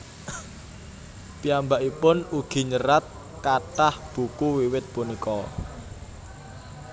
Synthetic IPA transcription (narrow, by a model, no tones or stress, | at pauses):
piambaʔipʊnuɡ̥i̤ɲəɾat̪̚ | kaʈahb̥ṳkuwiwɪt̪̚punikɔ